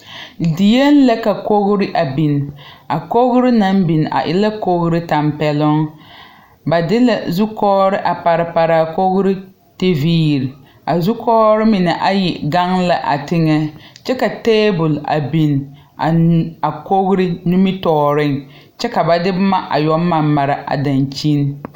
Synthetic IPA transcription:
di˨je˦n˦la˦ka˨ko˦ɣɾɪ˦ʔa˨bi˨n˨a˨ko˦ɣɾɪ˦na˦m˦bi˨n˨ʔa̰˨ʔɪ̰˦la˦ko˦ɣʊ˦ɾɪ˦ta˨mpɛ˨lʊ˦ŋ | ba˨dɪ˦la˨zu˦kɔː˦ɾɪ˦ʔa˨pa˨ɾɪ˨pa˨ɾa˨ko˦ɣɾɪ˦ | te˦viː˦˨ɾi˨ | a˨zu˦kɔː˦ɾɪ˦mɪ˨nɛ˨ʔa˦ji˨ɡa˦ŋla˨ʔa̰˨tɪ˦ŋɛ˦t͡ʃɛ˦ka˨teː˦bʊ˨la̰˨bi˨n˨ | a˨a˨ko˦ɣɾɪ˦nu˦mi˦tɔː˦ɾɪ˦ŋ | t͡ʃɛ˦ka˨ba˨dɪ˦bma˦ʔa̰˨jɔ˦ma˦mːa˨ɾa˨ʔa̰˨da˨nt͡ʃi˦n˦

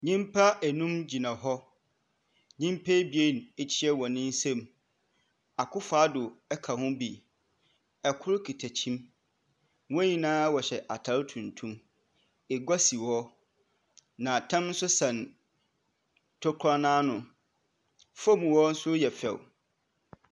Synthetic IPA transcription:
ɲĩ˦mpʰa˦ʔæ˨nũ˦md͡ʑi˨nã˨ɦɔ˦ | ɲĩ˦mpʰe˦bi˨e˦˨n˨e˨t͡ɕʰɪ˦ɛ˦wɔ˨nɪ̃˦n̩˦sɛ̃˦m | a˨kʰʊ˦faː˨˦dʊ˨ɛ˦kʰa˨hʊ̃˦bi˨ | ɛ˨kʰʊ˦ɾʊ˦kʰi˨tʰæ˨t͡ɕʰĩ˦m˦ | wɔ̃˦ɲĩ˦nãː˦wɔ˨ɕɛ˨ʔa˨tʰa˦ltʰũ˨ntʰũ˦m | e˨ɡʷa˦si˨wɔ˦ | nã˨tʰã˦mn̩˦sʊ˦sã˨n | tʰʊ˦kʰa˦nãː˦nʊ̃˨ | fo˦mũ˨wɔ˦n̩˦sʊ˦jɛ˨fɛ̰˨w

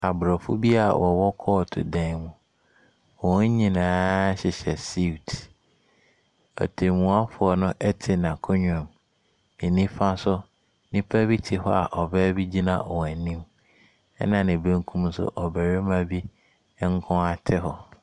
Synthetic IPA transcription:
a˨bɾɔ˨fʊ˦bi˦a̰˨wʔɔ˨wɔ˦kʰɔː˦˨tʰʊ̰˨dɛ̃˦˨mũ˨ | wɔ̃˨˦ɲĩ˨nãː˦ɕɪ˨ɕɛ˨si˦˨tʰ | ɔ̰˨tʰe˨mũ˨˦a˦fʊ˨ɔ˨nʊ̃˦ʔɛ˦tʰɪ˨nã˨kʰo˦ɲᶣ˦˨ã˨m | e˨nĩ˦fa˦sʊ˦ | nɪ̃˦pʰæ˦bi˦tʰɪ˨hɔ̰˦a̰˨ʔɔ˨bɛː˦bi˦d͡ʑi˦nã̰˨ʔɔ˨wæ˨nĩ˦m | ɛ̰˦nã˨nɪ̃˨bẽ˦ŋ˦kʰũ˦msʊ̰˦˨ʔɔ˨bæ˨ɾe˦mã˦bi˦ | ŋ̩˦kʰʊ̃˦a˨tʰɪ˦hɔ˨

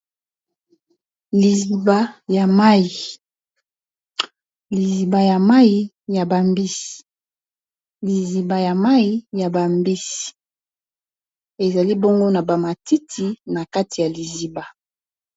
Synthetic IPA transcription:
li˨zi˨ba˦ja˨ma˦ji˨ | li˨zi˨ba˨ja˨ma˦ji˨˦ | ja˨ba˨mbi˦si̥˨ | li˨zi˨ba˨ja˨ma˦ji˦ja˨ba˨mbi˦si̥˨ | e˨za˨li˦bo˦ŋɡo˦na˨ba˨ma˨ti˦tʰi˦na˨ka˦ti˨ja˨li˨zi˨ba˨

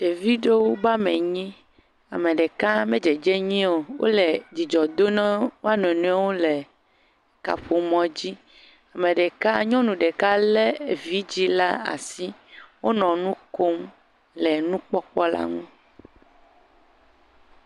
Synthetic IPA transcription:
ɖe˨vi˦ɖe˦wo˦ba˦mẽ˨ɲĩ˦ | a̰˨mẽ˨ɖe˨ka˦mẽ˦d͡ʒe˨d͡ʒɛ˦ɲĩ˦o˨wʔo̰˦le˨d͡ʑi˨d͡ʒɔ˨d̪o˦nɛ̃˦wo˦a˦n˨nũ˦ɛ˦wo˦le˨ | ka̰˨ɸo˨mɔ̃˨˦d͡ʑi˦ | a˨mẽ˨ɖe˨ka˦ɲɔ̃˦nũ˨ɖe˨ka˦lɛ˦e˨vi˦d͡ʑi˦la̰˦a̰˨si˦wo˦nɔ̃˨nũ˦ko˦m | lɛ˨nũ˦k͡pɔ˦k͡pɔ˦la̰˦ŋũ˦

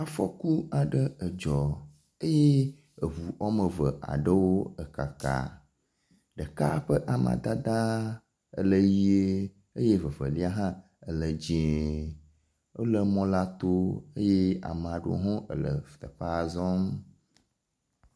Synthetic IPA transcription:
a˨fɔ̰˦ku˦a˨ɖə˦ə˨d͡ʒɔ˨ | ə˦je˦ | ə˨βu˨ʔɔ˦mə˨və˨ʔa̰˨ɖə˦wo˦ə˨ka˨ka̰˨ | ɖə˨ka̰˦ɸə˦ʔa˨mã̰˨d̪a˦d̪ã˦ | ə̰˨lə˦ji˦e˦ | ə˦je˦və˨və̰˨li˦a˦ɦã˦ | ə˨lə˨d͡ʑẽ˦ | o̰˦lə˦mɔ̃˦la˦t̪o˦ə˦je˦a̰˨m˨a˨ɖo̰˦ɦɔ̃˦ʔə̰˨lə̰˨ft̪ə˨ɸa˦˨zɔ˦m

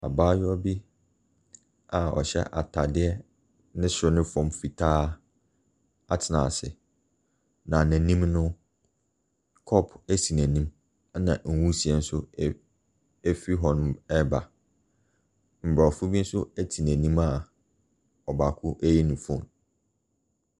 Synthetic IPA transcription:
a̰˨baː˦jɔ˦bi˦ | a˨ɔ̰˨ɕɛ̰˦ʔa̰˨tʰa˨dɪ˦ɛ˦ | nɪ̃˦sɾʊ˦nɪ̃˦fɔ̃˦˨mfi˨tʰaː˦ | a˨tʰɪ˨nã̰˨sɪ˨ | nã˨næ̃˨nĩ˦mnʊ̃˦ | kʰɔ˦pʰæ˦si˨næ̃˨nĩ˦m˦ | nã˨ŋ̩˨wu˦si˨ɛ˨n̩˦sʊ˦ | ɛ˦fi˦ɦɔ˨nʊ̃˨ɛ˦ba˨ | m̩˨bɾa˨fʊ˦bi˦n̩˦sʊ˦æ˦tʰi˨næ̃˨nĩ˦ma˨ | ɔ˨ba˨kʰʊ˦ʔæ˦ji˦nʊ̃˨fʊ̃˦˨m

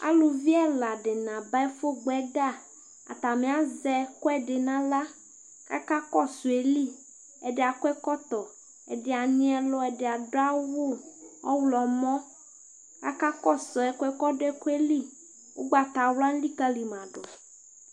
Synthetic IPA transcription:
a̰˦lu˨vi˦ɛ˦la˨ɖɪ˨nã˨ba˦ɛ˦fo˦ɡ͡bɛ˦ɡa˦˨ | a̰˨t̪a˨me˨a˦zɛ˦kɔ˦ɛ˦ɖɪ˨nã˦la˦ | ka̰˦ka˦kɔ˦su˨e˨li˦ | ɛ˨dɪ˨a˨kʷɛ˦kɔ˦t̪ɔ˨ | ɛ̰˨dɪ˨a˨ɲ̃˦ɛ˦lɔ˦ɛ˨de˨a˨do˦a˦wo˦˨ɔ̰˦wlɔ˨mɔ̃˦ | ka˦ka˦kɔ˦sɔ˨ɛ˨kʷɛ˦kɔ˦ɖɛ˦ku˦e˦li˦ | wo˦ɡ͡ba˨t̪a˨wla˦n̩˦li˦ka˦li˨m˨ã˨ɖɔ˨

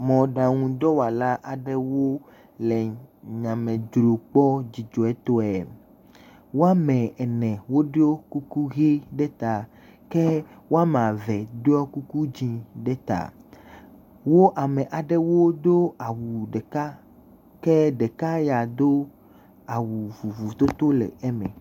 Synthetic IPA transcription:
mɔ̃˨ɖã˨ŋũ˨d̪ɔ˦wa˨la˦ʔa˨ɖɛ˦wo˦ | lɛ˨ɲã˨mẽ˨d͡ʒɾo˨k͡pɔ˦d͡ʑi˨d͡ʒo˨ɛ˦t̪o˦ɛ˨ | wo˦a˦mɛ̃˨ɛ˨nɛ̃˨wo˦ɖe˦o˦ku˦ku˦ɣe˦ɖɛ˦t̪a˨ | ke˦wo˦a˦mã˨vɛ˨ɖe˦ɔ˦ku˦ku˦d͡ʑĩ˦ɖe˦t̪a̰˨ | wo˦ʔa˨mẽ˨ʔa˨ɖe˦wo˦d̪o˦a˨wu˨ɖe˨ka˦ | ke˦ɖe˨ka˦ja˨d̪o˦ | a˨wu˨vu˨vu˨t̪o˦t̪o˦lḛ˨ɛ˦mɛ̰̃˨

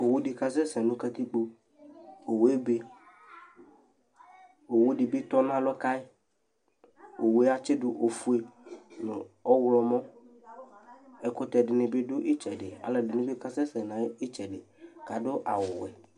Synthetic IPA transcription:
o˨wu˦ɖi˨ka˦s̬ɛ˦sɛ̃˨nʊ̃˦ka˦t̪i˦k͡po˦ | o˨we˦be˦ | o˨wu˦ɖɪ˨bɪ˦t̪ɔ˦nã˦lɔ˦ka˦e˦ | o˨we˦a˦t͡ʃɪ˦ɖʊ˦ʔo˨fu˦e˨nʊ̃˨ɔ˦wlɔ˨mɔ̃˦ | ɛ˦kʊ˦t̪ɛ˨ɖɪ˨nɪ̃˨bɪ˦ɖʊ˦ʔi˦t͡ʃɛ˨ɖɪ˨a̰˨lɛ˨dɪ˨nɪ̃˨˦bɪ˦ka˦sɛ˦sɛ˨nã˨˦i˦t͡ʃɛ˨ɖɪ˨ | ka˨ɖʊ˦ʔa̰˨wʊ˨wɛ˨

